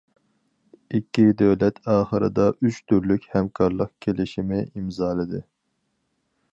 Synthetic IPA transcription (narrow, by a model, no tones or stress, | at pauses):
ikʲʰːid̪ɛwlɛt̪ʰɑːχəɾɨ̰d̪ɑʔyt͡ʃt̪ʰyɾlykʲhɛmkʰɑɾlˠəqkʲʰelɪʃimɪʔimzɑːlˠɨd̪ɨ